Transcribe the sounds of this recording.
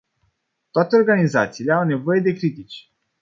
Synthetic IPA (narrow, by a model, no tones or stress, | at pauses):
t̪oat̪eo̞rɡanizat̪siːle̞awne̞vo̞je̞d̪e̞kɾit̪it͡ʃʲ